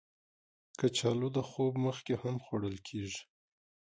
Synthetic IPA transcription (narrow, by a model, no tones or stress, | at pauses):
kət͡ʃɑlod̪əxobməxkehamxwaɽəlkʰeʒi̥